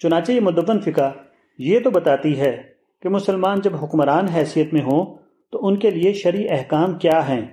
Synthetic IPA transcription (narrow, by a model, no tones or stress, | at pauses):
t͡ʃʊnaːt͡ʃejemʊd̪əʋːənfɪka | jet̪obɐt̪aːt̪iɦɛː | kemʊsəlmaːnd͡ʒɐbɦʊkmɾaːnɦɛːsijət̪mẽɦõː | t̪oʊnkelieʃɐɾiʔɛɦkaːmkjaːɦɛ̃ː